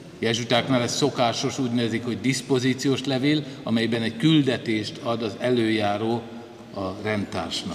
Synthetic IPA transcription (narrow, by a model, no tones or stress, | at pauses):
jɛʒut̪aːkmɛlːɛt̪so̞kaːʃo̞ʃuːɟnøːzikho̞ɟd̪ispo̞ziːt̪sijoːʃlɛveːlɒmɛjbɛnɛckyld̪ɛt̪eːʃt̪ʰɒd̪ɒzɛløːjaːɾoː | ɒrɛnt̪a̰ːrʃnɒk